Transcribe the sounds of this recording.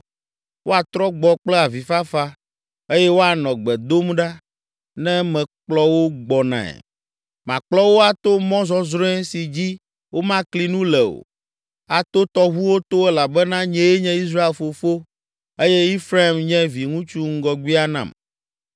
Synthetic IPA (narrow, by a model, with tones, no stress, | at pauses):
wo˦a˨t̪ɾɔ˦ɡ͡bɔ˨k͡plɛ˦a˨vi˨fa˦fa˦ | e˦jɛ˦wo˦a˨nɔ̃˨ɡ͡bɛ˨d̪o˦m˦ɖa˦ | nɛ̃˦mɛ̃˨k͡plɔ˦wo˦ɡ͡bɔ˨nã̰˨ɛ̰˨ | mã̰˨k͡plɔ˦wo˦a˨t̪o˦mɔ̃˦zɔ˦zɾɔ̃˦ɛ˦si˨d͡ʑi˦ | wo˦mã˦kli˨nũ˦lɛ˨o̰˨ | a˨t̪o˦t̪ɔ˦ɦu˦wo˦t̪o˦ɛ˦la˨bɛ˦nã˦ɲɛ̃˦e˦ɲɛ̃˦i˦s̬ɾa˦e˨lfo˨fo˦ | e˦jɛ˦i˦fɾa˦i˨mɲɛ̃˦vi˨ŋũ˦t͡ʃu˦ŋ̩˦ɡɔ˨ɡwi˦a˦nã̰˨m